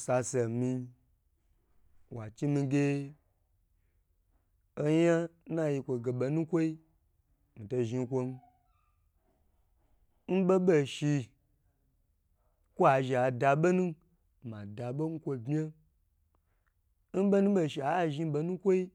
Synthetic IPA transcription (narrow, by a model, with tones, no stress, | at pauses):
sa˧se˨mi˧ | wa˨t͡ʃi˦mĩ˧ɡʲe˧ | o˦ja˦na˦ji˧kʷo˧ɡe˨ɓo˧nũ˦kʷo˦i˦ | mi˨to˧ʒi˧˦kʷo˧n˦ | n̩˦be˦ɓo˧˨ʃi˧ | kʷo˦a˨ʒi˨a˨da˧ɓo˦nũ˦ | ma˨da˨ɓo˦n̩˦kʷo˧bmʲ˦e˦ | n̩˦be˦nũ˦ɓe˧˨ʃi˨a˨˦˨ʒi˦ɓe˧nũ˦kʷo˦i˦